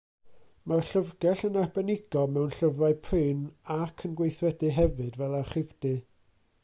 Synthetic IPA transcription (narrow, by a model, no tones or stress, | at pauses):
marɬəvɡɛɬənarbɛnɪɡ̥ɔmɛwnɬəvraɨpʰrɨːnakʰənɡwejθrɛdɨɦɛvɨdvɛlˠaχɪvdɨ